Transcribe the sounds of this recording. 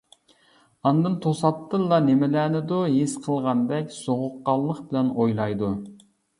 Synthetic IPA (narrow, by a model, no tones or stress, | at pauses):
ɑnd̪ɨnt̪ʰosɑt̪ːɨlˠːɑnɪmɪlæːnɪd̪uɦisqʰəlˠʁɑnd̪ɛkʲsoʁʊqːɑlˠːəqbɪlɛnojlˠɑjd̪u